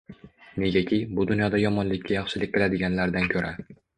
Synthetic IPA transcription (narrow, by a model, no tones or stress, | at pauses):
ne̞ɡʲakʲʰɪbʊd̪ʊnjɒd̪ajɒmɒnlɪkʲːajɑχʃɪlɪk̚ʲbelad̪ɪɡʲanlaɾd̪ankʲʰɵɾʔa